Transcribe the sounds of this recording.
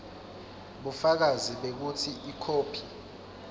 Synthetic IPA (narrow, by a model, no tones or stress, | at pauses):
ɓufak̬aziɓek̬utʰiʔikʰoːpʰi̥